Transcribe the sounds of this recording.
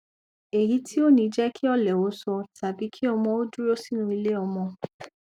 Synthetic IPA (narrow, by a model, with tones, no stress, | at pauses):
e˨ji˨˦tʰi˦o˦nĩ˧d͡ʒɛ˦kʰi˦ɔ˦˨lɛ˨o˨˦sɔ˧ta˨bi˨˦kʰi˦ɔ˧mɔ̃˧o˦du˦ɾo˦si˦nũ˧˦i˧le˦ɔ˧mɔ̃˧